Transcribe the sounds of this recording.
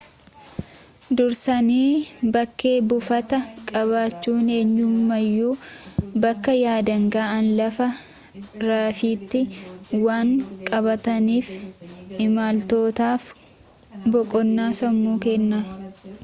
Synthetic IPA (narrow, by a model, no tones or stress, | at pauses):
d̪ʊɾsɐniːbɐkːe̞ːbʊfɐt̪ɐkʼɐβaːt͡ʃːuːne̞ːɲːʊmːɐjːuːbɐkːɐjaːd̪ɐŋɡaːɐnlɐfɐ | ɾaːfiːt̪ːɪwaːŋkʼɐβɐt̪ɐniːfɪmaːlt̪o̞ːt̪aːf | bɔkʼɔnːaːsɐmːuːkenːa